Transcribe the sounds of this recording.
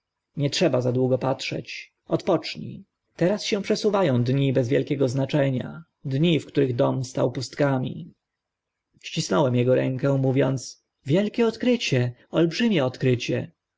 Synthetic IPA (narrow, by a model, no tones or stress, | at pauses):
ɲɛtʂɛbazad̪wuɡɔpatʂɛ̰t͡ɕ | ʔɔt̪pɔt͡ʂɲḭ | t̪ɛɾasɕɛ̃pʂɛsuvajɔ̃w̃d̪ɲibɛzvʲjɛlkʲɛɡɔznat͡ʂɛɲa̰ | d̪ɲifkt̪uɾɘɣd̪ɔmst̪a̰wpust̪kamʲḭ | ɕt͡ɕisnɔwɛmjɛɡɔɾɛ̰̃ŋkɛ̃muvʲjɔnt̪s | vʲjɛlkʲɛɔt̪kɾɘt͡ɕɛɔlbʐɘmʲjɛɔt̪kɾɘt͡ɕɛ